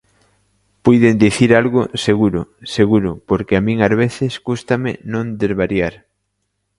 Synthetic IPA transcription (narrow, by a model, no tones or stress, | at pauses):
pujðend̪iθiɾalɣʊseɣuɾʊseɣuɾʊpoɾkeamĩŋazβeθɪskust̪amɪ̰nõnd̪ezβaɾjaɾ